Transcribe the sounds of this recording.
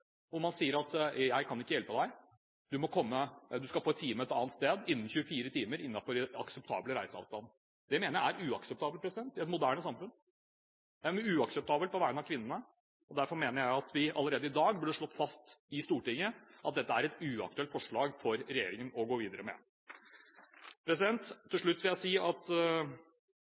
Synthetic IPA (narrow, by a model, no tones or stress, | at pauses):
ɔmɑnsiːəɾɑt̪jæɪkʰɑnɪkːəjɛlpəd̪æɪ | d̪ʉmɔkʰɔmːəd̪ʉskɑlfoːɛt̪ʰːiːməɛt̪ɑːnt̪st̪eːd̪ɪnːn̩çʉːəfiːɾət̪iːməɾɪnːɑfɔɾɛɑ̰ksəp̚t̪ʰɑ̰ːbləɾæ̰ɪsəɑ̰ʋst̪ɑn | d̪̥ɛɪmeːnəjææɾʉːɑksəp̚t̪ɑːbəlpʰɾɛsɪd̪ɛnt̪ɪɛt̪mʊd̪æːɳəsɑmfʉn | jæmʉːɑksɛp̚t̪ʰɑːbəlpʰɔʋæːəɳnɑʋkʰʋɪnːənə | ɔd̪æɾfɔɾmeːnəɾjæɪɑt̪ʰʋɪʔɑlːəɾeːd̪əɪd̪ɑːɡbəɖəʂɭɔt̪ːfɑst̪ɪst̪uːʈɪŋːəʔɑt̪̚d̪ɛt̪ːəæɾɛt̪ʉɑ̰k̚t̪ʉɛlt̪fɔʂɭɑːɡfɔɾɾɛjeːɾɪŋənɔɡoːʋiːd̪əɾəmɛ̰ | pʰɾɛs̬ɪd̪ɛnt̪ʰːɪlʂɭʉt̪ːʋɪljæɪsiːɑt̪